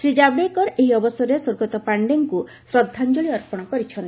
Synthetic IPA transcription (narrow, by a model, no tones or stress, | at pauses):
sɾid͡ʒabɽekɔɾeɦiɔbɔsɔɾesoɾɡɔt̪ɔpaɳɖeŋku | sɾɔd̪ʱːand͡ʒoɭiɔɾpɔɽ̃ɔkɔɾit͡ʃʰɔnt̪i